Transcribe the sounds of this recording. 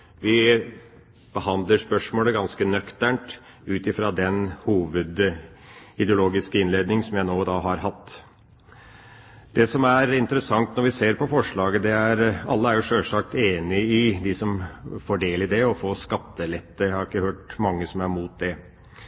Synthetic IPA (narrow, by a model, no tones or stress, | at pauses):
ʋɪ | b̥əhɑnd̪ləʂpœʂmoːləɡɑnskənœkt̪æɳʈ | ʉːt̪ɪfɾɑd̪ɛnhuːʋəd̪ | ɪd̪ɛʊloːɡɪskəɪnleːd̪nɪŋsɔmjæɪnoːd̪ɑːɦɑɾɦɑt̪ː | d̪ɛsɔmæɾɪnt̪əɾəsɑŋt̪nɔɾʋɪseːɾpɔfɔʂɭɑːɡəd̪ɛæɾɑlːəæɾjʊʂøːlʂɑk̚t̪eːnɪɪd̪ɪsɔmfɔɖeːlɪd̪ɛɔfoːskɑt̪ːəlɛt̪ːəæhɑɾɪkːəhøːʈmɑŋːəsɔmæɾmuːt̪̚d̪ɛ